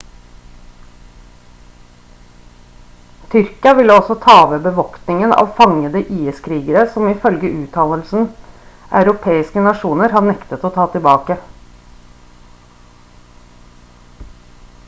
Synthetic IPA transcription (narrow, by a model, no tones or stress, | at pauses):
t̪ʰʏɾkɪɑʋɪlːəɔsɔt̪ʰɑːʋəbəʋɔkt̪ɪŋənɑ̰ːʋfɑŋəd̪əʔiːəskʰɾiːɡəɾəsɔmɪfœlɡəʔʉːt̪ʰɑləlsn̩ | ʔɑ̰ʉɾʊpʰeːɪskənɑʃuːnəɾhɑːnɛkt̪ət̪oːt̪ʰɑːt̪ʰɪlbɑːkə